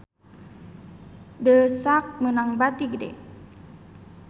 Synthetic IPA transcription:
dəsak̚mənaŋbat̪iɡədɛ̰

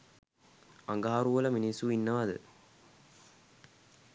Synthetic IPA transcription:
aŋɡaːɾuɐlɐminisuinːɐʋɐd̪ɨ̰

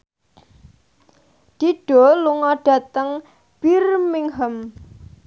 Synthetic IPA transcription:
d̪̥i̤ɖ̥ɔ̤luŋɔɖ̥a̤t̪əŋ | b̥irmɪŋɦəm

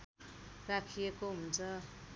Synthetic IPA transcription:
rakʰijekoɦunt͡sʰʌ

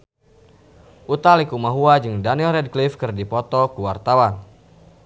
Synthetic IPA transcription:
ʔut̪alikumaɦuad͡ʒɨŋdanilrɛd̚klifkɨrdipɔt̪ɔkuwart̪awan

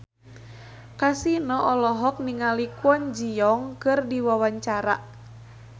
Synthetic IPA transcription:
kasinɔɔlɔɦɔk̚niŋalikuɔnd͡ʒiɔŋkɨrdiwawaɲt͡ʃaɾa

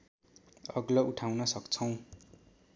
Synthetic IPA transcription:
ʌɡlʌuʈʰawnʌsʌkt͡sʰʌw̃

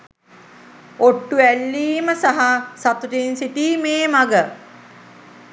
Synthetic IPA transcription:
oʈːuælːiːməsaɦasat̪uʈinsiʈiːmeːmaɡə

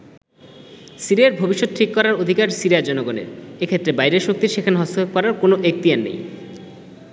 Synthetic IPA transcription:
siɾiaɾbʱobiʃːot̪̚ʈʰikːɔɾaɾod̪ʱikaɾsiɾijad͡ʑɔnoɡonḛɾekʰet̪ːɾebajɾeʃok̚t̪iɾʃekʰanɦɔst̪ooɡ̚kɔɾaɾkonoʔek̚t̪ijanːḛj

